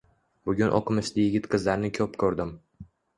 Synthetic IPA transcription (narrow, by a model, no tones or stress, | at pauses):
bʊɡʲʊnʔɒ̰qʰɨmɪʃlɪjɪɡʲɪt̪qʰɨzlaɾnɪkʲʰɒpkʰɵɾd̪ɪm